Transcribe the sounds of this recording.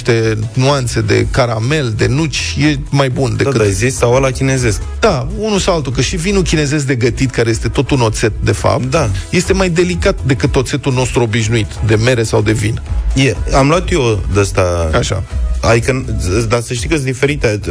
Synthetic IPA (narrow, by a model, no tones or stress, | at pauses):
ʃt̪e̞nuant̪se̞d̪e̞̰kaɾame̞ld̪e̞nut͡ʃʲje̞majbund̪ekɨd̪ajzist̪sawalakʲinezesk | d̪̥a | unusawalt̪ukəʃivinukʲine̞ze̞s̬d̪e̞ɡət̪it̪kaɾejest̪e̞t̪o̞t̪uno̞t̪se̞t̪̚d̪e̞fa̰p̚ttd̪aje̞st̪e̞majd̪e̞likat̪d̪e̞kɨt̪o̞t̪se̞t̪ulno̞st̪ɾuo̞biʃnuit̪d̪e̞me̞ɾe̞sawd̪e̞vinjeamlwat̪jod̪əst̪aaʃa̰a̰d̪ikəd̪asəʃ̬t̪ikəsd̪ifeɾit̪e